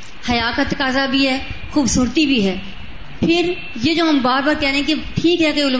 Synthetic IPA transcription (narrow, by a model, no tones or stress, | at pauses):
hɐjaːkat̪ɐkaːzabʱiɦɛːxuːbsuːɾt̪ibʱiɦɛː | pʰɪɾ | jed͡ʒoːɦɐmbaːɾbaːɾkɛɦɾẽɦɛ̃keʈʰiːkɦɛkɐiʊl